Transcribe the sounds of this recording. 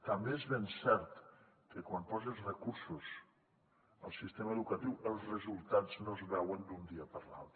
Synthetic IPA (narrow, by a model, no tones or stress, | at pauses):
t̪əmbeezβensɛɾt̪ | kəkwampɔzezrəkuɾsus | əlˠsist̪eməːðukət̪iwəlˠzrəzulˠt̪ad͡znozβɛwənd̪und̪iəpəɾla̰lˠt̪ɾə